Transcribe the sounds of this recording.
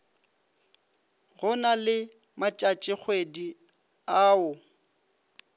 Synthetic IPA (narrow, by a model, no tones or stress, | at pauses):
ɣʊnalɪ | mat͡ʃʼat͡ʃʼɪk͡xʰwedi | aːʊ